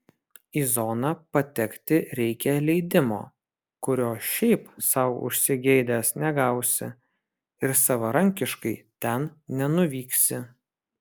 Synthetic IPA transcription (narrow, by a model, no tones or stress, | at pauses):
iːzonɑpɐt̪ʲɛkt̪ʲɪɾʲɛɪkʲɛlʲɛɪd̪ʲɪmo̰ː | kʊɾʲoːʃʲɛɪpsɐʊʊ̰ʃʲsʲɪɡʲɛɪd̪ʲæːsnʲɛɡɐˑʊsʲɪ̰ | ɪɾsɐʋɐɾɐŋʲkʲɪʃkɐɪt̪ʲɛnnʲɛnʊʋʲiːksʲɪ